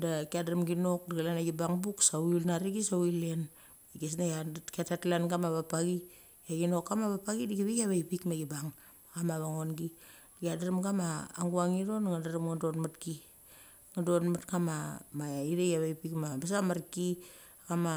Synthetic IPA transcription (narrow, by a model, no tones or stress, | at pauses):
dakiadaɾamɡino̞kdaɡalanaɡibaŋbuksawilnaɾiɡisawilen | ɡes̬najakatatlanɡamaβapaɡi | aɡino̞kːamaβapaɡidiɡiβiaβajpikmaɡibaŋ | akamaβaŋo̞nɡidakiadaɾamɡamaːŋɡuaŋiɾo̞nŋadaɾamŋado̞tmatki | ŋadotmatkamamaiɾejaβajpikmamas̬amaɾki | kama